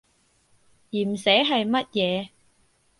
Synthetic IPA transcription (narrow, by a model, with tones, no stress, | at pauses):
jiː˨˩m̩˨˩sɛː˨˥ɦɐ˨jmɐ˥t̚jɛː˨˧